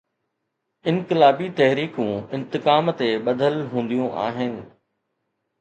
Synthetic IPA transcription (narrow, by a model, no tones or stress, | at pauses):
ɪ̃nkɪlaːbit̪ɐɦɾiːkũːɪ̃nt̪ɪkaːmt̪eɓɐd̪ʱəlɦũːn̆d̪ijũʔa̰ːɦɪnɪ̆